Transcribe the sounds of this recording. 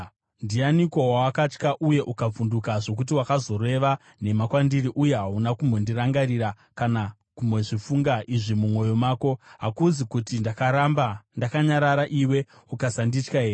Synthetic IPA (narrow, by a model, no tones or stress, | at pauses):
ndianiko̞wawakat͡ʃkaʔuje̞ʔukab͡vundukaʐo̞k̬ut̬iwakazo̞re̞ʋa | ne̞makwandiɾiʔuje̞ɦaunakumbo̞ndiraŋɡaɾiɾa | kana | kumboʐifuŋɡaʔiʐimumwo̞jo̞maːko̞ɦakud͡zikutindakaɾambandakaɲaɾaɾaʔiwe̞ | ukasandit͡ʃkaeːri